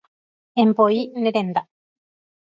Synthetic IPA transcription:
empoineɾend̪a

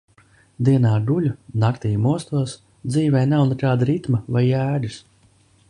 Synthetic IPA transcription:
d̪iɛnaːɡulʲunakt̪iːjmuɔst̪uɔs | d̪ziːvɛjnawnɛkaːd̪aɾit̪mavajæːd̪ɨs

